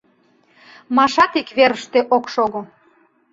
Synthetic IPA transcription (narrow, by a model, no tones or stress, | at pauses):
mɑʃɑt̪ikβeɾəʃt̪eʔokʃoɣo